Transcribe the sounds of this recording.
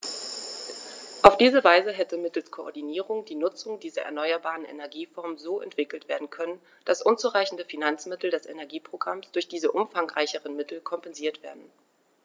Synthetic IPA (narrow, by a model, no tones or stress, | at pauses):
ʔaʊfd̥iːzəvaɪzəɦɛtəmɪtl̩skʰoɔ̰ɐdiniːʁʊŋdiːnʊt͡sʊŋdiːzɐ̰ʔɛ̰ɐnɔʏɐbaːʁənɛ̰nɛɐɡiːfɔɐmzoːʔɛ̰ntv̥ɪkl̩tv̥eːɐdn̩kʰœnən | d̥asʔʊnt͡suʁaɪçn̩dəfinant͡smɪtl̩dɛsʔenɛɐɡiːpʁ̥oɡʁamsd̥ʊɐçd̥iːzəʔʊmfaŋʁaɪçəʁənmɪtl̩kʰɔmpɛnziːɐtv̥eːɐdn̩